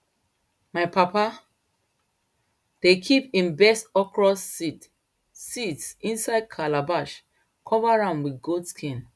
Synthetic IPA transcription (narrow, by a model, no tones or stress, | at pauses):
maɪpapa | d̥ekʰipĩnbɛstɔkʰɹɔsit | sitsĩnsaɪd̚kʰalabaʃ | kʰɔvaɹãnwiɡodskʰĩn